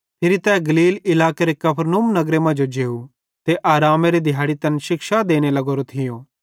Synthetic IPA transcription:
pʰɪːɾit̪ɛ̃ːɡɐliːlɪlaːkeɾekɐpʰɾnuːmnɐɡɾemɐ̃d͡ʒod͡ʒeːu | t̪eʔaːɾaːmeɾed̪ʱɪjaːɽit̪ɐnʃɪkʃad̪eːñelɐɡoːɾot̪ʰɪjõː

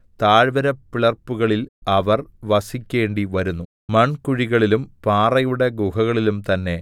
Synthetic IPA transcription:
t̪aːɻʋɐɾɐpːiɭɐrpːuɣɐɭilɐʋɐrʋɐsikʲːe̞ːɳɖiʋɐɾunːu | mɐɳkuɻiɣɐɭilumpaːrɐjuɽe̞ɡuɦɐɣɐɭilumt̪ɐnːe̞

